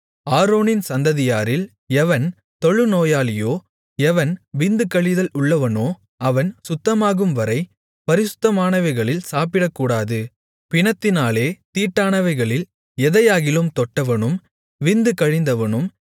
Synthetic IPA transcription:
aːɾoːnɪnsɐnd̪ɐðɪjaːɾɪl | ɛʋɐn | t̪ɔɻɯnoːjaːlɪjoː | ɛʋɐnʋɪnd̪ɯkɐɻɪðɐlʊɭːɐʋɐnoː | ɐʋɐnsʊt̪ːɐmaːɣɯmʋɐɾɐɪ | pɐɾɪsɯ̥t̪ːɐmaːnɐʋɐɪɣɐɭɪlsaːp̬ɪɽɐkːuːɽaːðɯ | pɪɳɐt̪ːɪnaːleːt̪iːʈːaːnɐʋɐɪɣɐɭɪl | ɛðɐjaːɣɪlɯmt̪ɔʈːɐʋɐnɯm | ʋɪnd̪ɯkɐɻɪnd̪ɐʋɐnɯm

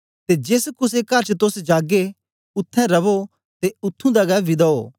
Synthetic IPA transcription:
t̪ed͡ʒeːskʊs̬ekɐɾt͡ʃt̪ʊsd͡ʒaːɡe | ʊt̪ʰːɛ̃ɾɐʋo | t̪eʊt̪ʰːũd̪aɡɛlʋɪd̪aoː

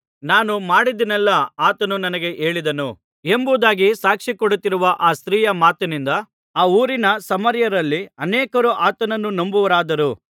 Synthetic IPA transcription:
naːnumaːɽid̪inɛlːɐaːt̪ɐnunɐnɐɡe̞ʔe̞ːɭid̪ɐnu | e̞mbud̪aːɡisaːkʂikoɽut̪ːiɾuʋɐʔaːst̪ɾiːjɐmaːt̪ɐnind̪ɐ | aːuːɾinɐsɐmɐɾjɐɾɐlːiɐnɛːkɐɾuʔaːt̪ɐnɐnːunombuʋɐɾaːd̪ɐɾu

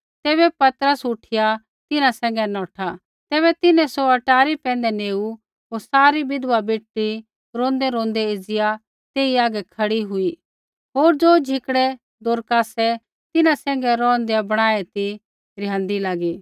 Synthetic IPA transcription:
t̪ɛːβɛpɐt̪ɾəsʊʈʰɪja | t̪ɪnãsɛ̃ːŋ̆ɡɛnɔːʈʰa | t̪ɛːβɛt̪ɪnɛ̃soɐʈaːɾipɛ̃ːn̆d̪ɛneːu | ɦoːɾsaːɾibɪd̪ʋabeːʈːi | ɾõːnd̪ɛɾõːnd̪ɛɪd͡zɪja | t̪eːiaːɡɛkʰɐɽiɦʊi | ɦoːɾd͡zoːd͡ʒʱɪkɽɛ | d̪oːɾkasɛ | t̪ɪnãsɛ̃ːŋɡɛɾɔ̃ːnd̪ejabɐɽ̃aːet̪i | ɾjãːnd̪ilaːɡi

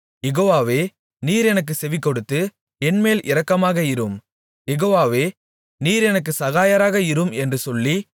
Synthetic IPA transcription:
jɛɣoːʋaːʋeː | niːɾɛnɐk̬ːɯsɛʋɪkːɔɽɯt̪ːɯ | ɛnmeːlʔɪɾɐkːɐmaːɣɐɪɾɯm | jɛɣoːʋaːʋeː | niːɾɛnɐk̬ːɯsɐɣaːjɐɾaːɣɐɪɾɯmɛndrɯsɔlːi

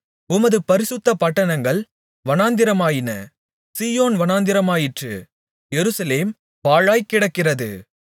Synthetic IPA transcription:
ʊmɐðɯpɐɾɪsɯt̪ːɐpɐʈːɐnɐŋɡɐɭ | ʋɐnaːnd̪ɪɾɐmaːjɪnɐ | siːjoːnʋɐnaːnd̪ɪɾɐmaːjɪʈrɯ̰ | jɛɾɯsɐleːm | paːɻaːjkɪɽɐkːɪrɐðɯ̰

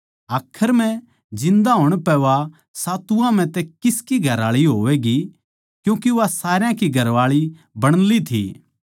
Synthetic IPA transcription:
aːkʰːəɾm̤ɛ̃ | d͡ʒɪ̃nd̪aɦoːɽ̃pɛʋa | saːt̪uãm̤ɛ̃t̪ɛkɪskiɡʱɐɾaːɭiɦoːʋɛɡi | kjũːkeʋasaːɾjãkiɡʱɐɾʋaːɭi | bɐɽ̃lit̪ʰḭː

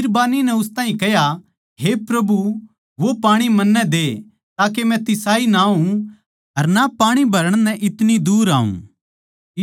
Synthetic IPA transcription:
ɾbaːninɛʊst̪ãːĩkɛja | ɦepɾɐbu | ʋopaːɽ̃imɐnːɛd̪eː | t̪aːkemɛ̃t̪ɪsaːinaːũ | ɦɐɾnapaːɽ̃ibʱɐɾəɽ̃nɛ̃ʔɪt̪nid̪uːɾa̰ːṵ̃

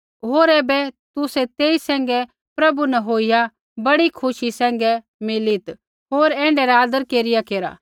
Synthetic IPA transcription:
ɦoːɾɛːbɛt̪ʊsɛt̪eːisɛ̃ːŋ̆ɡɛ | pɾɐbunɛɦoːija | bɐɽikʰʊʃisɛ̃ːŋ̆ɡɛ | mɪlit̪ | ɦoːɾɛ̃ːɳɖɛɾaːd̪əɾkeːɾɪjakeːɾa̰

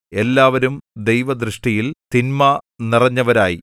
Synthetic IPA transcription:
e̞lːaːʋɐɾumd̪e̞jʋɐd̪rɨʂʈijilt̪inmɐnirɐɲːɐʋɐɾaːji

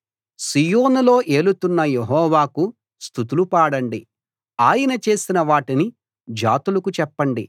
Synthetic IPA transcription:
sijoːnulo̞ːʔe̞ːlut̪unːɐjeɦɔːʋaːku | st̪ut̪ulupaːɽɐɳɖi | aːjɐnɐt͡ʃe̞ːsinɐʋaːʈini | d͡ʒa̰ːt̪ulɐkut͡ʃɛpːɐɳɖi

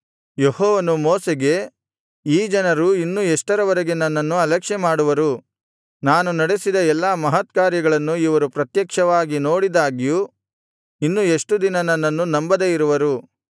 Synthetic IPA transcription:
jehɔːʋɐnumoːseɡe̞ | iːd͡ʒɐnɐɾuinːueʂʈɐɾɐʋɐɾeɡe̞nɐnːɐnːuɐlɛkʂɛmaːɽuʋɐɾu | naːnunɐɽesid̪ɐɛlːamɐɦɐt̪kaːɾjɐɡɐɭɐnːuiʋɐɾupɾɐt̪jɐkʂɐʋaːɡinoːɽid̪aːɡiju | inːue̞ʂʈud̪inɐnɐnːɐnːunɐmbɐd̪ejiɾuʋɐɾu

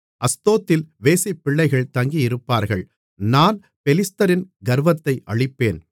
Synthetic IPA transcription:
ʔɐst̪oːt̪ːɪlʋeːsɪpːɪɭːɐɪɣɐɭt̪ɐŋɡijɪɾɯpːaːɾɣɐɭ | naːn | pɛlɪst̪ɐɾɪnɡɐɾʋɐt̪ːɐɪʔɐɭɪpːeːn

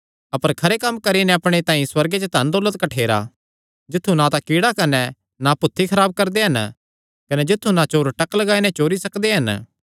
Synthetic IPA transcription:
ɐpəɾkʰɐɾekɐmːkɐɾinɛɐpɽ̃et̪ãːĩswɐɾɡet͡ʃet̪ɐ̃nd̪oːlət̪̚kɐʈʰeːɾa̰ | d͡ʒɪt̪ʰːũnat̪ãkiːɽakɐnɛ | napʊt̪ʰːikʰɐɾaːb̚kɐɾd̪eɦɐn | kɐnɛd͡ʒɪt̪ʰːũnat͡ʃoːɾʈɐklɐɡaːinɛ̃t͡ʃoːɾisɐkd̪eɦɐn

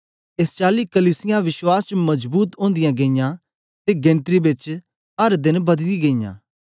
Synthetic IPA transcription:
est͡ʃaːlikɐliːsɪjãʋɪʃwaːst͡ʃmɐd͡ʒbuːt̪õːnd̪ɪjãɡeːjã | t̪eɡẽːnt̪ɾibɪt͡ʃ | ɦɐɾd̪ɪnbɐd̪iɡeːjã̰ː

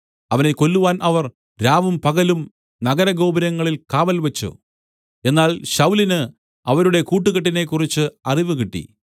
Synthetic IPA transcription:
ɐʋɐne̞ko̞lːuʋaːnʔɐʋɐr | ɾaːʋumpɐɡɐlum | nɐɡɐɾɐɡo̞ːbɐɾɐŋːɐɭilkaːʋɐlʋɐt͡ɕːṵ | e̞nːaːlɕɐwlinɨ | ɐʋɐɾuɽe̞kuːʈːuɣɐʈ̬ːine̞kːurit͡ɕːɨɐriʋɨɣiʈːḭ

